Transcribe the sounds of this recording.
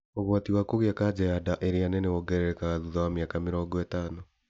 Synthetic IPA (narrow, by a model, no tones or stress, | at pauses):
oɣwatiwakoɣeakad͡ʑɛjadaʔeɾeanɛneoɡɛɾɛɾɛkaɣaðuðawameakameɾɔːŋɡɔɛtaːno